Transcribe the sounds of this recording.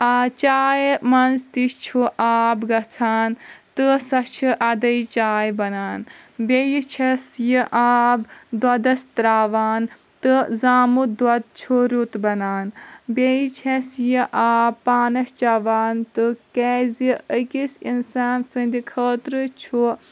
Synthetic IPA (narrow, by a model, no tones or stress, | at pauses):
at͡ʃaːjmɐnzt̪it͡ʃʰuʔaːbɡɐt͡sʰaːnt̪ɨsɐt͡ʃʰiʔɐd̪ɐjt͡ʃaːjbɐnaːn | bʲejit͡ʃʰɐsjiʔaːbd̪wɐd̪ɐst̪ɾaːʋaːn | t̪ɨzaːmud̪wɐd̪̚t͡ʃʰuɾut̪bɐnaːnbʲejit͡ʃʰɐsjiʔaːbpaːnɐst͡ʃɐʋaːnt̪ɨkɛːziəkisinsaːnsɨnd̪ikʰəːt̪ɾɨt͡ʃʰu